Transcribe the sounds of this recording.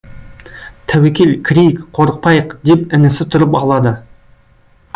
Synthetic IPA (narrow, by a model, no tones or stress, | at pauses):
t̪ʰæwekʲe̞lkʲʰɾʲijkqʰo̞ɾəq̚pɑjəqd̪e̞pɪnɪsɪt̪ʰʊɾəpɑlˠɑd̪ə